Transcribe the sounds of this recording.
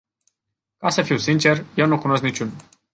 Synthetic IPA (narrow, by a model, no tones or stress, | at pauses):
kasəfiwsint͡ʃe̞rje̞wnukuno̞s̬knit͡ʃun